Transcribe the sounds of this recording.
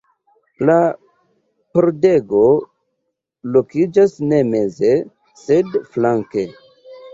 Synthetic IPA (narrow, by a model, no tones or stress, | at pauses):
la | poɾde̞ɡo̞ | lokid͡ʒasne̞me̞ze̞ | se̞dflaŋke̞